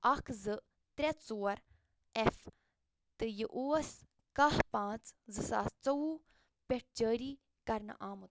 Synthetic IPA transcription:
ɐkʰzɨ | t̪ɾʲɛt͡soːɐɾ | ef | t̪ɨjiʔoːs | kɐɦpãːt͡szɨsa̰ːst͡sɐu | pʲeʈ̚d͡ʒəːɾiː | kɐɾn̰ʔaːmut̪

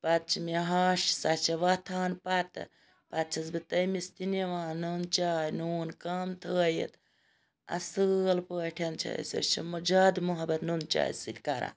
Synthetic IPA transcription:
pat̪̚t͡ʃʰimiɦaːʃsat͡ʃʰɐʋat̪ʰaːnpat̪ɨ̰ | pat̪̚t͡ʃʰɐsbɨt̪ɐjmist̪ineʋãːnunt͡ʃaːjnuːnkamt̪ʰəːjḭt̪ | ɐ̰səlpəːʈʰɐnt͡ʃʰɐ̰sə̰st͡ʃʰɐ̰mud͡ʒaːd̪muɦɐbɐt̪nunt͡ʃa̰ːjsilʲkaɾã̰ːn

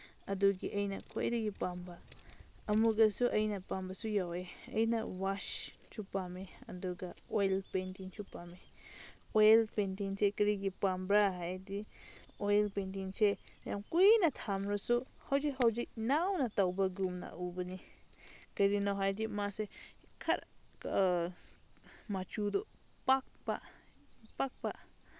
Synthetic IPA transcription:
ɐduɡiʔɐjnakʰojdiɡipamba | ɐmuɡɐsuʔɐjnapambɐsujaweɐ̰jna̰waʃ | t͡ʃʰupameɐ̰duɡaojlpentiŋt͡ʃʰupame | ojlpentiŋsʰekɐɾiɡipambɾaɦajdiwelpent̪int͡ʃeamkʷinat̪ʰamɾosu | hawd͡ʒihowd͡ʒiʔnawnat̪awbaɡumna̰ʔubəni | kəɾinõɦad̪imase | kʰaɾa | ka | mat͡ʃud̪o | pak̚pa̰ | pak̚paʔ

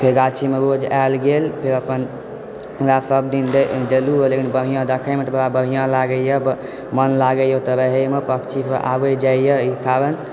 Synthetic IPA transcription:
pʰeɡat͡ʃʰimeɾod͡ʒalɡelpʰeɾəpən | ɾasəb̚d̪ind̪ed̪eluɦolekinbəɦijãd̪əkʰamet̪əbəɾabəɦijãlaɡəjəb | mənlaɡəjot̪əɾəɦemepəkt͡ʃʰipəʔa̰bəd͡ʒajəikaɾən

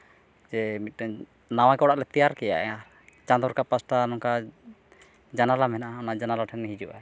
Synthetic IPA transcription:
d͡ʒɛmit̪̚ˀɾɛ | nawakɛɔɽaʔlɛt̪ijaɾkɛja̰ʔɛ | t͡ʃand̪ɔɾkapasʈanɔŋka | d͡ʒanalamɛnaʔaɔnaʔd͡ʒanalɔʈʰɛnmɛɦid͡ʒuwʔa̰

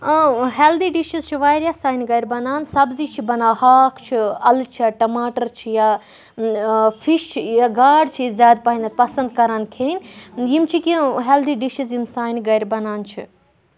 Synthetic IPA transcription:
ɦeːld̪iɖiʃizt͡ʃʰiʋaːjɾʲjaːsaːjnɡɐjɾbɐnaːnsɐbzit͡ʃʰibɐnaːhaːkʰt͡ʃʰiɐlt͡ʃʰiaʈɐmaːʈɐɾt͡ʃʰija | fʰiʃt͡ʃʰijaɡaːɖt͡ʃʰizʲjaːd̪paːɦinɐt̪̚pɐsɐnd̪kɐɾaːnkʰeːnʲjimt͡ʃʰikiɦeːld̪iɖiʃizjimsaːjnɡɐjɾbɐnaːnt͡ʃʰḭ

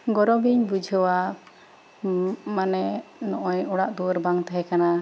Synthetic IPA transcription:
ɡɔɾɔbiɲbud͡ʒʱɔwa | manɛnɔʔɔɲɔɽaʔd̪uɾbaŋt̪aɦɛkana

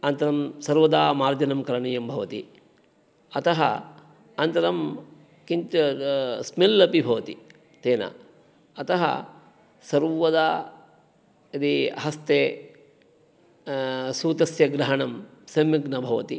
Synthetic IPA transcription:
ɐnt̪ɐɾɐmsɐɾʋɐd̪aːmaːɾd̪jɐnɐmkɐɾɐɳijɐmbʱɐʋɐt̪ḭ | ɐt̪ɐɦɐ̰ | ɐnt̪ɐɾɐm | kint̪ | smilːɐpibʱɐʋɐt̪i | t̪eːnɐ̰ | ɐt̪ɐɦɐ̰ | sɐɾʋɐd̪aː | ɐd̪iɐɦɐst̪eː | suːt̪ɐsjɐɡɾɐɦɐɳɐmsɐmjɐɡnɐbʱɐʋɐ̰t̪i

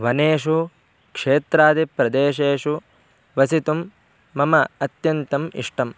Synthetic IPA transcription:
ʋɐneːʂu | kʂeːt̪ɾaːd̪ipɾɐd̪eːʃeːʂu | ʋɐsit̪umː | ɐmɐɐt̪jɐnt̪ɐmḭʂʈɐm

